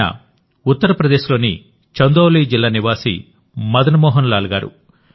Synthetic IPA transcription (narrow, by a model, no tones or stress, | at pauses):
ɐ̰ | ut̪ːɐɾɐpɾɐd̪eːʃlo̞ːnḭ | t͡ʃɐnd̪oːlid͡ʒilːaːniʋaːsḭ | mɐd̪ɐnɐmɔːɦɐnlaːluɡaːɾṵ